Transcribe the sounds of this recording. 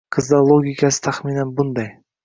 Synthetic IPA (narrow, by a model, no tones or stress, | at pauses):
qʰɨzd̪alˠoɡʲikʰasɪ̥t̪ʰaχminanbʊnd̪aj